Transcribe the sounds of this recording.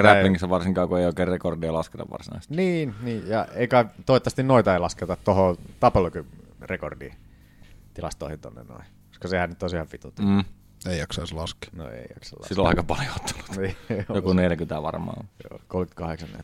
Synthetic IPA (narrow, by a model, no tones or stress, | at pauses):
ræpːiŋkisːæʋɑrsiŋkɑːkueioˑikeːrrekordiɑlɑsket̪ɑ̰ʋʋɑ̰rsinɑ̰ist̪niːnniːjɑeˑikɑt̪oˑit̪ːɑst̪innoit̪ɑeilɑsket̪ɑt̪t̪ohot̪ɑpelokyrekordḭ | t̪ilɑ̰st̪o̰ihint̪o̰nːḛnno̰i | ko̥skɑsehænyt̪ːosihɑʋfit̪ut̪ː | eˑijɑksɑislɑski̥no̰ḛˑijɑ̰ksɑ̰lːɑ̰silːoɑˑikɑpɑljot̪ːu̥lu̥t̪nijokuneljækyt̪æʋɑ̰rmˑɑ̰ːo̰ljo̰kolky̥t̪kɑheksɑnːḛl